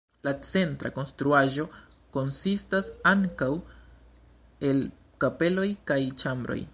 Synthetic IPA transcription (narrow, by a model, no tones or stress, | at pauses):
lat͡se̞ntɾa̰ko̞nstɾuaʒo̞ | ko̞nsistasaŋkaw | e̞l | kape̞lo̞jkajt͡ʃambɾo̰j